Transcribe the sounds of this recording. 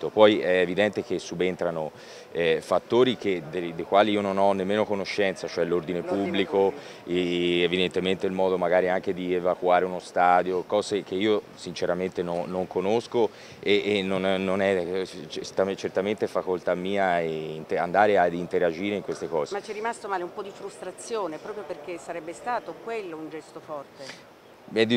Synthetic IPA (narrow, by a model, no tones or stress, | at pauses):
t̪opɔjɛːvid̪ɛnt̪ek̟esːubent̪ɾano | ɛfat̪ːoːɾiked̪ed̪ejkwaːliiononɔnːemːeːnokonoʃːɛnt̪sat͡ʃoɛlːord̪inepubːliko | evid̪ent̪ement̪eilmɔːd̪omaɡaːɾiaŋk̟ed̪ievakwaːɾeunost̪aːd̪jokɔːzek̟eiːo | sint͡ʃeɾament̪enonːoŋkonosko | enːonnːonɛt͡ʃest̪at͡ʃert̪ament̪efakolt̪amːiːaɛint̪eand̪aːɾead̪int̪eɾad͡ʒiːɾeiŋkwest̪ekɔːzemat͡ʃt͡ʃɛrːimast̪omaːleumpɔd̪ifɾust̪ɾat̪sːjoːnepɾɔːpɾjoperkesːaɾɛbːest̪aːt̪okwelːound͡ʒɛst̪ofɔrt̪e | mɛd̪ːi